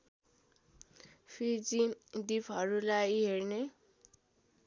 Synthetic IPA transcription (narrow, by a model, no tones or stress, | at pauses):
pʰid͡zid̪ipʰɦʌɾulajɦerne